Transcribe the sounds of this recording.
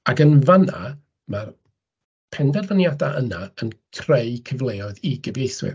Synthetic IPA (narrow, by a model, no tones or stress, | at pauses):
aɡənvana̰ | mar | pʰɛnvɛrvanjadaʔənaənkʰrejkʰəvlˠejɔɨðiɡəbejθwɪ̰r